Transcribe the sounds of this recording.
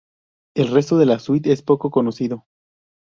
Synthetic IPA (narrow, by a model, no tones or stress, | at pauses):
e̞lre̞st̪oðe̞laswit̪e̞spo̞ko̞ko̞no̞siðo̞